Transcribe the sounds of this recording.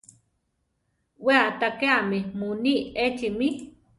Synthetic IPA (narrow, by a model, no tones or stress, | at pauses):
weat̪akeamemuniʔet͡ʃimi